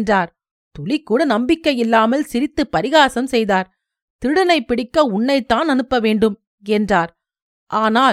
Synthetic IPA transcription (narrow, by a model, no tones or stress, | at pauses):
ndraːɾ | t̪ɔlɪkːuːɽɐnɐmbɪkːɐjɪlːaːmɐlsɪɾɪt̪ːɯpːɐɾɪɣaːsɐmsɛjðaːɾ | t̪ɪɽɐnɐɪpːɪɽɪkːɐʊɳːɐɪt̪ːaːnɐnɯpːɐʋeːɳɖɯm | ɛndraːɾ | ʔaːnaː